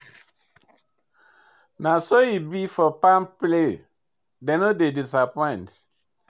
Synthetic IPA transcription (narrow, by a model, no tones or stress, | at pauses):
nasoibifɔpãmple | dɛ̃nodedis̬apɔ̃ɪ̃nt